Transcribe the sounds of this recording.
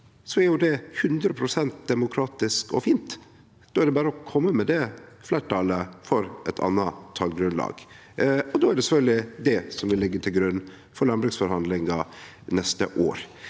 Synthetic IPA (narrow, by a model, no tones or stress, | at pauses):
sɔæɾjʊd̪ɛhʉnd̪ɾəpʰɾʊsɛnt̪̚d̪ɛmʊkʰɾɑːt̪ɪskɔ̰fiːnt̪ | d̪̥oːæɖɛbæːɾəɔkʰɔmːəmɛd̪ɛflæːʈʰɑːləfɔɾɛt̪ʰɑ̰nːɑt̪ʰɑːlɡɾʉnlɑ̰ːɡ̥ | ɔd̪oːæɖɛsɛfœld̪ɪd̪ɛsɔmʋɪlɪɡːəʈʰɪlɡɾʉnː | fɔɾlɑnbɾʉksfɔɾhɑnd̪lɪŋɑ | nɛst̪ə̰ʔo̰ːɾ